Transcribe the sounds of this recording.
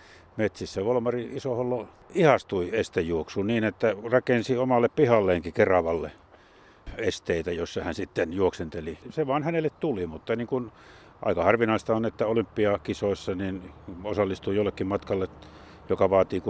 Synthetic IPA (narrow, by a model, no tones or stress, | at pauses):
met̪sisːæʋol̆mɑriisoholːo | ihɑst̪uiest̪ejjuoksuniːnet̪ːærɑkensiomɑlːeppihɑlːeːŋkikerɑʋɑlːe | est̪eˑit̪æjosːɑhænsit̪ːenjuoksent̪eliseʋɑːnhænelːet̪t̪ulimut̪ːɑniːŋkun | ʔɑ̰ikɑhɑrʋinɑist̪ɑonet̪ːæolympːiɑkisoˑisːɑninosɑlːist̪uijolːekːimmɑt̪kɑlːe | jokɑʋɑːt̪iːku